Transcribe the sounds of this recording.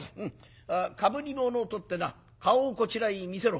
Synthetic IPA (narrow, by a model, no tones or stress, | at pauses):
ɯ̃ | kabɯ̟ɾʲimonoːt̪o̞t̪ːe̞na | kaoːko̞t͡ɕiɾaimʲise̞ɾo